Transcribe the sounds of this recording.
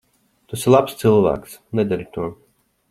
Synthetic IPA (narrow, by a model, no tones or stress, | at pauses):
t̪usilˠapst̪sɨlˠvæ̰ːks | nɛd̪aɾit̪uɔ